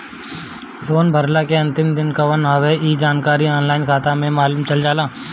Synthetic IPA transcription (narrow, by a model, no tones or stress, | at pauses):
loːnbʱɐɾlakeɐ̃nt̪ɪmd̪ɪnkaʋɐnɦɐʋeiːd͡ʒaːnkaːɾiɔːnlaːɪnkʰaːt̪amẽmaːluːmt͡ʃɐld͡ʒaːlaː